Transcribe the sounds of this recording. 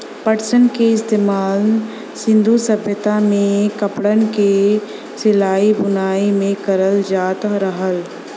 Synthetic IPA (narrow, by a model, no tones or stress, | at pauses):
pəʈsənkeɪst̪eːmaːl | sɪ̃nd̪ʱusəbjət̪amẽkɐpɽənke | sɪlaːibʊnaːimẽkəɾəld͡ʒaːt̪ɾəɦəl